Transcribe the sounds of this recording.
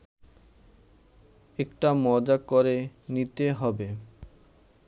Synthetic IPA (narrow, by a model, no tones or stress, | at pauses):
ekʈamɔd͡ʑakoɾenit̪eɦɔbe